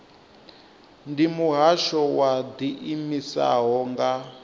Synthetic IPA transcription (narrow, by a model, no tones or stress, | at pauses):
ndimuɦaʃɔwad̪iʔimisa̰ɦɔŋɡa